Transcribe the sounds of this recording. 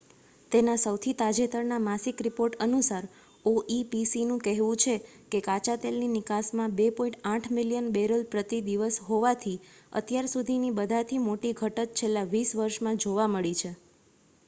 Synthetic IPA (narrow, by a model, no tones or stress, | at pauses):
t̪enasəwt̪ʰit̪ad͡ʒet̪əɾnamasikɾipoɾʈənusaɾ | oʔipisinũkɛɦʋũt͡ʃʰekekat͡ʃat̪elninɪkasmãbepɔ̃ĩɳʈãʈʰmiljənbeɾəlpɾət̪id̪iʋəsɦoʋat̪ʰiə̰t̪jaɾsud̪ʱinibəd̪ʱat̪ʰimoʈiɡʱəʈət̪̚t͡ʃʰelːaʋisʋəɾʃmãd͡ʒoʋaməɭit͡ʃʰe